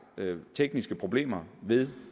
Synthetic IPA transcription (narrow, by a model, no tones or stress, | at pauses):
t͡sʰeɡ̥nisɡ̥əpʰʁo̝b̥le̝̰ːmɐʋe̝ð̞ˠ